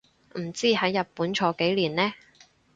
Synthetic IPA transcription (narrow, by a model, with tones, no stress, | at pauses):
m̩˨˩t͡siː˥hɐ˨˥jːɐ˨t̚puː˨˥nt͡ʃʰɔː˨˥ke˨˥jliː˨˩nlɛː˥